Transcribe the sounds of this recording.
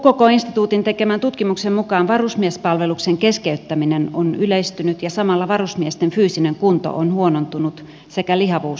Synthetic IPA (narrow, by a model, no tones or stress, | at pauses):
kokoinst̪it̪uːt̪int̪ekemænt̪ut̪kimuksemmukɑːnʋɑrusmiespɑlʋelukseŋkeskeyt̪ːæminenonyleist̪ynyt̪jɑsɑmɑlːɑʋɑrusmiest̪enfyːsineŋkunt̪o̰ʔonhuonont̪unut̪ | sekælihɑʋuːs